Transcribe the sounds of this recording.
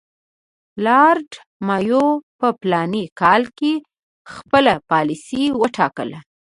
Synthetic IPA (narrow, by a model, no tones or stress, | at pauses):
lɑɾɖ | mɑjopəplɑnikɑlke | xpəlapɑlisiwəʈʰɑkə̰la